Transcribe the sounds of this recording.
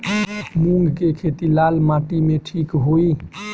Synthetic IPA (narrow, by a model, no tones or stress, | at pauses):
mũŋɡkekʰet̪ilaːlmãʈimẽʈʰiːkɦoi